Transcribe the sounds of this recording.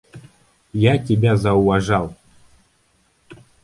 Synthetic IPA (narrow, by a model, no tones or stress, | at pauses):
jatʲɪbʲazɐʊvaʐalˠ